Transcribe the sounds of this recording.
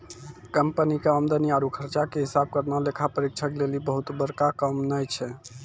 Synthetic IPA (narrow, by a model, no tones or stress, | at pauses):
kəmpənikeəmd̪əniaɾukʰəɾt͡ʃakeɦisab̚kəɾnalekʰapəɾik̚t͡ʃʰəklelibəɦut̪bəɾkakəmnəjt͡ʃʰɛ